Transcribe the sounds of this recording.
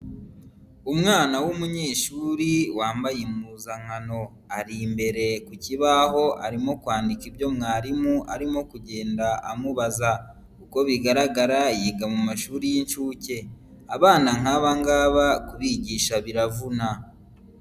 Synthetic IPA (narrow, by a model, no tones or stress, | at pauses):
umŋaːnawumuɲe̞ːʃuːɾiwaːmbajemuzaŋ̥ano̞ | aɾimbe̞ɾe̞kuciβaɦo̞ʔa̰ɾimo̞kwaːndikibjo̞mŋaːɾimuʔa̰ɾimo̞kuɟe̞ːndaʔa̰muβaza | kuko̞βiɡaɾaɡaɾajiːɡamumaʃuːɾijint͡ʃuːce̞ | aβaːnaŋ̥aβaŋɡaːβakuβiɟiːʃaβiɾavuna